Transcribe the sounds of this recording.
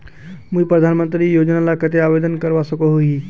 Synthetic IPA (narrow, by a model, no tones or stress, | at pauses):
muːpɾəd̪ʱanmənt̪ɾiːjod͡ʑnalakət̪eaʋed̪ənkəɾʋasəkoɦoi